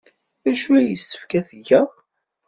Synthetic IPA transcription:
æʃuæjəsːə̥fkæθəʝæ

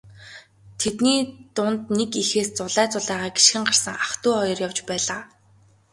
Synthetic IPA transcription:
t̪ʰet̪niːt̪ʊnt̪nekixeːst͡sʊɮæːt͡sʊɮæːʁaːɡi̥ʃxɘ̆ɴɢar̥sə̆ŋaχt̪ʊːɔjɞ̆rjawt͡ɕpæːɮaː

